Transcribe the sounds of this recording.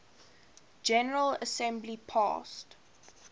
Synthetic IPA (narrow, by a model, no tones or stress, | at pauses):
d͡ʒɛnəɹələsɛ̃mblipʰɑ̰st